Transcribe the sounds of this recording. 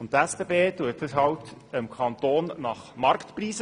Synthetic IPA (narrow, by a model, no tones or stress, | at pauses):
ʊnttɛsb̥eːbeːtuətəsɦɑwtəmkʰɑnt̪oːnnɑχmɑɾktpɾiːsə